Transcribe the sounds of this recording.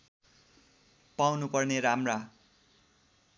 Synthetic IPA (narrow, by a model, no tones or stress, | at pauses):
pawnupʌrneɾamra